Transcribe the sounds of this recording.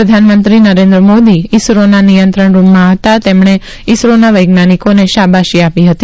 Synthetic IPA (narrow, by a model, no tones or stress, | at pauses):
ɾəd̪ʱanmənt̪ɾinəɾẽnd̪ɾəmod̪iɪsɾonanijənt̪ɾəɳɾumːãɦət̪at̪emɳ̃e | ɪsɾonaʋəjɡnanikoneʃabaʃiapiɦət̪i